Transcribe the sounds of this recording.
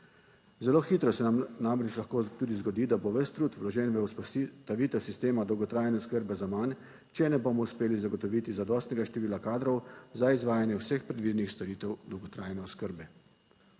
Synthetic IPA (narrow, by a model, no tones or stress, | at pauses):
zɛloːxiːt̪ɾɔsɛnamnamɾɛt͡ʃlaxkoːt̪uːd̪izɡɔd̪iːd̪aboʋəst̪ɾuːt̪ʋlɔʒɛnʋɛt̪aʋiːt̪ɛwsist̪eːmad̪ɔwɡɔt̪ɾaːjnɛɔskəɾbɛzaman | t͡ʃɛnɛbomɔuspeːlizaɡɔt̪ɔʋiːt̪izad̪ɔːst̪nɛɡaʃt̪ɛʋiːlakaːd̪ɾɔwzaizʋaːjanjɛwsəxpɾɛd̪ʋiːd̪ɛnixst̪ɔɾiːt̪ɛwd̪ɔwɡɔt̪ɾaːjnɛɔskəɾbɛ